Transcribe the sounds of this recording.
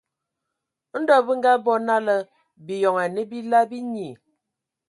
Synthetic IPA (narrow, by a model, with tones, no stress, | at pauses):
n̩˦dɔ˦˨bə˦ŋ̩˦ɡa˦bɔ˦na˦lə˦ | bi˨jɔ˨ŋa˨ne˦bi˦la˦bi˦ɲi˨